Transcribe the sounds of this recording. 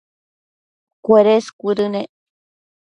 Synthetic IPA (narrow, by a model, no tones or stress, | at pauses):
kʷeɾeskʷuɾɨne